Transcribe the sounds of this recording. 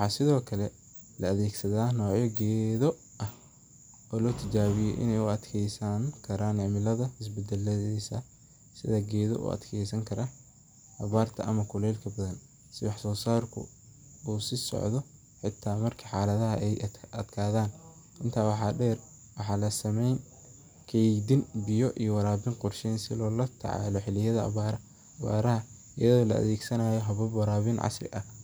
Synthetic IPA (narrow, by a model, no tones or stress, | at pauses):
wħɑːsɪðɔːkʰɐlɛ | lɐɐðɛːɡsɐðaːnɔːʕjɔɡɛːðɔ | ʔɐh | ɔːlɔːt̪ʰɪt͡ʃaːβɪjɛ̰ʔɪ̰nɛjʊɐd̪kʰɛjsɐŋkʰɐɾaːnɪʕmɪlɐðɐɪsbɛd̪ɛlɐðiːsɐ | sɪ̰ðɐɡɛːðɔ̰ʔṵːʔɐ̰d̪kʰɛjsɐŋkʰɐɾɐ | hɐβaːrt̪ʰɐ̰ʔɐmɐkʰʊlɛːlkʰɐbɐðɐn | sɪwɑħsɔːsaːrkʰʊ̰ | uːsɪsɔ̰ʕðɔ | ħɪt̪ʰːaːmɐrkʰɐħaːlɐðɐɦɐʔɛjɐd̪kʰaːðaːn | ɪnt̪ʰaːwɑħɑːɖɛːr | wɑħɑːlɐsɐmɛjn | kʰɛjdɪnbɪjɔʔijɔwɑɾaːbɪnqʊrʃɛːnsɪ̰lɔːlɐt̪ʰɐ̰ʕa̰ːlɔħɪlɪjɐðɐɐ̰βaːɾɐ | ɐβa̰ːɾɐɦɐ | ɪjɐðɔːlɐ̰ɐ̰ðɛːɡsɐnaːjɔɦɐβɐbwɐɾaːβɪnʕɑ̰srɪ̰ʔɐ